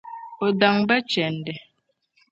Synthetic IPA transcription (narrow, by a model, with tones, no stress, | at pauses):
o˨da˨ŋbɛ˦t͡ʃɛ˨n˨dɛ˨